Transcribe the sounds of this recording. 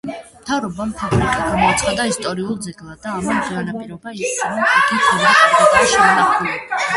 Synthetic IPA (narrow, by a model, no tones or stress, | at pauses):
mt̪ʰavɾɔbampʰabɾikʼaɡamɔat̪sʰχad̪aist̪ʼɔɾiulˠd̪zɛɡlˠad̪aːmamd̪ʼianapʼiɾɔbaiaɾɔmt̪ʰaɡit̪ʰɛlat̪ʼat̪ʼaʃɛnaχui